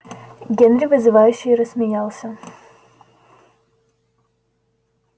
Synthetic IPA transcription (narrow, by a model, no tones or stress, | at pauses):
ɡʲenɾʲɪvɨzɨvajʉɕːɪjɾəsmʲɪnʲalˠsʲə